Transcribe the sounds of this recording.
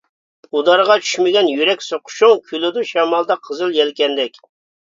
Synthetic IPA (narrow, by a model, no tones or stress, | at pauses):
ud̪ɑɾəʁɑt͡ʃʰy̥ʃmɪɡʲɛnjyɾɛkʲsoqʰʊ̥ʃuŋkʲʰylɪd̪uʃɛmɑlˠd̪ɑqʰəzɨlˠjɛlkʲɛnd̪ɛkʲ